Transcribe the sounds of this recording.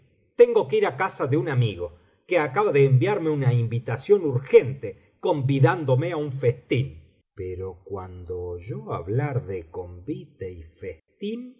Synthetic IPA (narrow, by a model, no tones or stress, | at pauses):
t̪e̞ŋɡo̞keiɾakasaðeunamiɣo̞ | keakaβaðeːmbjaɾme̞unaimbit̪asjo̞nuɾxent̪e | ko̞mbiðand̪o̞meauɱfest̪in | peɾokwand̪oʒoa̰βlaɾðeko̞mbit̪eifest̪in